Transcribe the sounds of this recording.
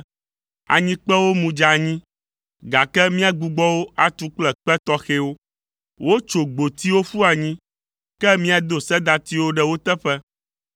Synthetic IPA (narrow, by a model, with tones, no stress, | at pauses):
a̰˨ɲĩ˦k͡pɛ˦wo˦mũ˨d͡ʒa˨ɲĩ˦ | ɡa˨kɛ˦mĩ˦a˦ɡ͡bu˨ɡ͡bɔ˦wo˦a˨t̪u˦k͡plɛ˨k͡pɛ˦t̪ɔ˦xe˦wo˦ | wo˦t͡ʃo˨ɡ͡bo˨t̪i˦wo˦fu˦a˨ɲĩ˦ | kɛ˦mĩ˦a˨d̪o˨sɛ˦d̪a˨t̪i˦wo˦ɖɛ˦wo˦t̪ɛ˦ɸɛ˦